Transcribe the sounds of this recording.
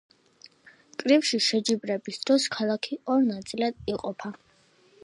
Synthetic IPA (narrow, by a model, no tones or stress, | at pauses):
kʼɾifʃiʃɛd͡ʒibɾɛbisd̪̥ɾɔskʰalˠakʰiɔɾnat̪sʼilad̪iqʼɔpʰa